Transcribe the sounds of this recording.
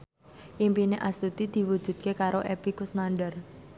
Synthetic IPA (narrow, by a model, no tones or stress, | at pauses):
ʔimpineʔast̪ut̪id̪̥i̤wud̥ʒ̥ṳd̪̥̚kekaɾoʔepikusnaɳɖər